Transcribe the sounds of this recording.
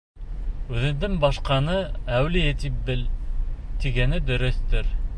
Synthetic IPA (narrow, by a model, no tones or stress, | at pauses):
ʉðɘ̆nd̪ɘŋbɑʃqɑnɤæwlijɘt̪ip̚bɘlt̪iɡænɘd̪ɵ̆ɾɵ̆θt̪ɘɾ